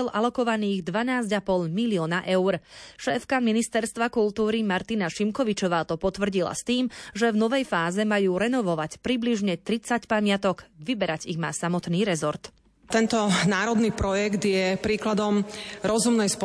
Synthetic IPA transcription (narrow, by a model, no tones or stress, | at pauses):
ɛlʔalɔkɔʋaniːɣd̪ʋanaːzɟapɔʎmiliɪɔːnaʔɛʊɾʃɛːfkaminist̪ɛɾst̪ʋakult̪uːɾimaɾt̪inaʃimkɔʋit͡ʃɔʋaːt̪ɔpɔt̪ʋr̩ɟila̰st̪iːmʒɛvnɔʋɛjfaːzɛmajuːɾɛnɔʋɔʋacpɾibliʒɲɛt̪ɾit͡sacpamɪat̪ɔkʋibɛɾaɟiɣma̰ːsamɔt̪niːɾɛzɔɾt̪ | t̪ɛnt̪ɔnaːɾɔd̪niːpɾɔjɛɡt̪jɛpɾiːklad̪ɔmɾɔzumnɛjspɔ